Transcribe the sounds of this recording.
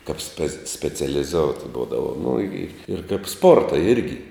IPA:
kɐp sʲpʲɛ sʲpʲɛt͡sʲɛlʲɪˈzoːʊtʲ ˈbuːdɐʋoː nʊ ɪ ɪr kɐɪp ˈspoːrtɐ ˈɪrʲɡʲɪ

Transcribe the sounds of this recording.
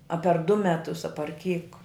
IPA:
ɐ pʲɛr dʊ ˈmʲæːtʊs ɐ pɐr kʲiːk

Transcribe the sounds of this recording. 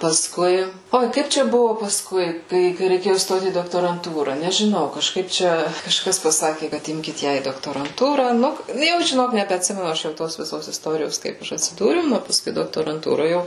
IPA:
pɐˈskʊɪ ˈoːɪ ˈkɐɪp t͡ʃʲɛ ˈbʊʋoː pɐsˈkʊɪ ˈkɐɪ kɐɪ rʲɛɪˈkʲeːjʊ ˈstoːt iː doːktoːrɐnˈtuːrɐ nʲɛʒʲɪˈnɐʊ kɐʃˈkɐɪp ˈt͡ʃʲɛ kɐʃˈkɐs pɐˈsɑːkʲɪ kɐt ˈɪmʲkʲɪt ˈjæː iː doːktoːrɐnˈtuːrɑː ˈnʊ nʊ ˈjɛʊ ʒʲɪˈnoːk nʲɛbʲɛɐtʲˈsʲɪmʲɛnʊ ˈɐʃ jɛʊ ˈtoːs ʋʲɪˈsoːs ɪsˈtoːrʲɪjoːs ˈkɐɪp ˈɐʃ ɐtʲsʲɪˈduːrʲɛʊ ˈnʊ pɐˈskʊɪ doːktoːrɐnˈtuːroː ˈjɛʊ

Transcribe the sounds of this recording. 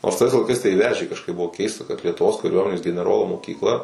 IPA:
noːrs tɐɪs lˠɐɪˈkɐɪs tɐɪ ˈʋʲæːʒʲeː kɐʃˈkɐɪp ˈbʊʋoː ˈkʲɛɪstɐ kɐt lʲiɛtʊˈʋoːs kɐˈrʲuɔmʲɛnʲeːs ɡʲɛnʲɛˈroːlˠoː moːkʲiːkˈlˠɐ

